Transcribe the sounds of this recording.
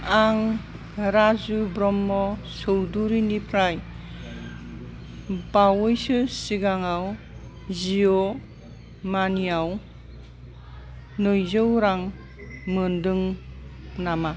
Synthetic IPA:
aŋ | ɾazubɾɔmːɔsɔwduɾinipʰɾaj | bawɯjsɯsiɡaŋaw | zijɔ | maniaw | nɯjzɯwɾaŋ | mɯndɯŋ | nama

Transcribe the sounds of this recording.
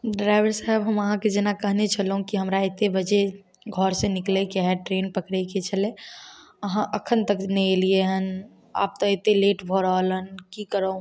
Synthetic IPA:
ɖɾaɪʋəɾsaɦebɦəməɦãked͡ʒenakəɦnet͡ʃʰəlɦũkiɦəmɾaet̪ebəd͡ʒe | ɡʱɔɾsẽniklekeɦɛʈɾeːnpəkɽɛket͡ʃʰəle | əɦãʔəkʰənt̪əknɛlieɦən | a̰ːp̚t̪ɔet̪eleʈbʱɔɾalənkikəɾə̃

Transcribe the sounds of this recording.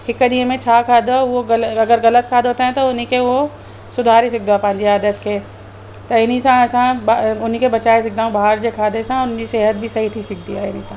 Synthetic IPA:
hɪkːəd̪iẽmẽt͡ʃʰaːkʰaːd̪ooɐlɐɡəɾɣɐlət̪kʰaːd̪ɦoːt̪eɦɛ̃t̪oʊnikeo | sʊd̪ʱaːɾis̬ɪk̚d̪apɐ̃ɪɲd͡ʒeaːd̪ət̪ke | t̪oɪnisãsãbʊnikebɐt͡ʃaːes̬ɪk̚d̪aõbaɦəɾd͡ʒekʰaːd̪esãʊniseːɦəd̪̚bʱisɐɦit̪ʰisɪk̚ʰd̪iaɪnisã

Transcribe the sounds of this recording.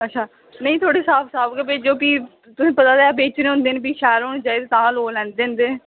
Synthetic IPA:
ətːʃʰaː | nəĩːt̪ʰoːɽeːsaːpʰsaːbɡeːbeːd͡ʒoːpiː | t̪ʊsĩːpət̪aːd̪eaːbeːt͡ʃneːɦʊ̃nd̪eːnbiːʃɛːɾoñt͡ʃaːɪd̪t̪ãːloːlɛ̃ːnd̪ẽːnd̪eː

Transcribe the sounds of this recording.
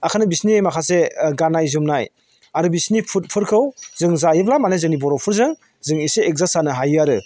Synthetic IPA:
akʰanɯbisnimakʰaseɡanajzumnaj | aɾɯbisnipʰut̚pʰɯɾkʰɯwzɯŋzajɯblamanajzɯŋnibɔɾɔpʰuɾzɯŋ | zɯŋiseːk̚zasanɯɦajɯaɾɯ

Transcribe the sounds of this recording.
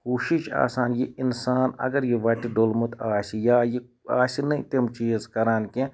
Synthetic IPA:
kuːʃit͡ʃa̰ːsaːnjeinsaːnɐ̰ɡɐɾjeʋɐʈiɖolmut̪aːsijaːje | a̰ːsinɐĩt̪emt͡ʃiːzkɐɾaːnke

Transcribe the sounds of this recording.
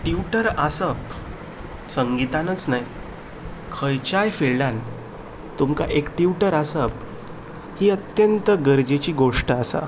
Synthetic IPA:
ʈiuʈəɾəsəp | səŋɡit̪anət͡snaj | kʰəjt͡ɕajfeɭljan | t̪umka̰ʔekʈjuʈəɾəsəp | hiːət̪jənt̪əɡəɾd͡ʑet͡ɕiːɡoʂʈəasa̰

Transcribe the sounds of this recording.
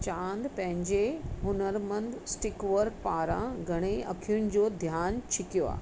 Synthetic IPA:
t͡ɕãːnd̪pɐ̃ɦɪ̃ɲd͡ʑeɦʊnəɾmɐ̃nd̪sʈɪkʋəɾk̚paːɾã̰ɡʱɐɽ̃eɐ̰kʰijʊɽ̃ɪ̆d͡ʑoːd̪ʱjaːnt͡ɕʰɪkijoa̰ː

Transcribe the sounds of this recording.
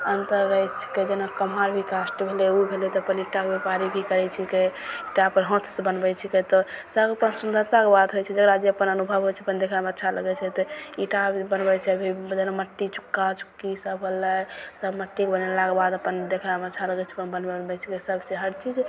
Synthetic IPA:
ənt̪əɾɡəjt͡ʃʰɛ̥ked͡ʒenakəmaɾbʱikasʈbʱeleubʱelet̪ɔəpəniʈːakebepaɾibʱikəɾɛt͡ʃʰɛkeiʈapəɾɦõt̪ʰsebənbɛt͡ʃʰɛket̪ɔsəbəpənsund̪ʱət̪akebad̪ɦojt͡ʃʰɛd͡ʒəkɾad͡ʒeəpənənubʱəbɦojt͡ʃʰɛəpənd̪ekʰlamətːʃʰaləɡɛt͡ʃʰɛt̪ɔiʈabənbɛt͡ʃʰɛəbʱid͡ʒenaməʈːit͡ʃu̥kːat͡ʃu̥kːisəbɦolːəsəbməʈːikebənelakebad̪əpənd̪ekʰlamətːt͡ʃʰaləɡɛt͡ʃʰɛəpənbənbeənbɛt͡ʃʰɛkesəbʱt͡ʃʰɛɦəɾt͡ʃid͡ʒ

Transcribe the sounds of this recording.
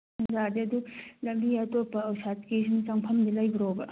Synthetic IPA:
mɐzadiɐdulɐmbiɐtopːɐːwsat̚kisiŋt͡ʃaŋpʰɐmdilɐjbiɾobɐ

